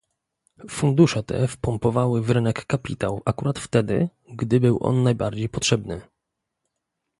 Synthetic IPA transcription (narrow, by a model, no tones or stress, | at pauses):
fund̪uʂɛt̪ɛ̰fpɔmpɔvawɘvɾɘnɛkːapʲit̪awakuɾat̪ft̪ɛd̪ɘ̰ | ɡd̪ɘbɘwʔɔ̰nːajbaɾd͡ʑejpɔtʂɛbnɘ̰